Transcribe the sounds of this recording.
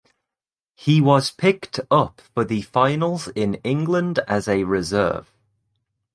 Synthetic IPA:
hiwɒz̥pʰɪktʰʌpfəðəfãɪnəlˠzɪ̃nɪ̃ŋɡlə̃ndəzəɹɪzɜ̰ːv̥

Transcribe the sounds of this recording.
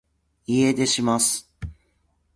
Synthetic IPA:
ied̪e̞ɕimasɨ̥

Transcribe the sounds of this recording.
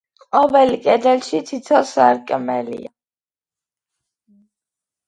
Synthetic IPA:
qʼɔvɛlikʼɛd̪ɛlʃit̪ʰit̪ʰɔsaɾkʼmɛlḭa

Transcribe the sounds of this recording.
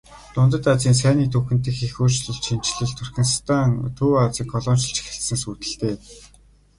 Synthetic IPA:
t̪ʊnt̪ə̆t̪at͡siːns̬æːniːt̪ʰuxɘ̆nt̪ɘ̆xexuːrt͡ɕɮɵ̆ɮʃʰimt͡ɕɮɘ̆ɮt̪ʰʊrxʲĭnst̪ʰaŋt̪ʰuːat͡sĭːkʰːɔɮɔːmʃĭɮt͡ɕxĕɬsɘ̆ŋsuːt̪ɘ̆ɬt̪eː

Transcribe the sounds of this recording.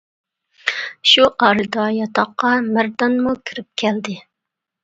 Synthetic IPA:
ʃuʔɑːɾɨd̪ɑjɑt̪ʰɑqːɑmæɾd̪ɑnmukʲʰiɾɪp̚kʲʰɛld̪ɪ

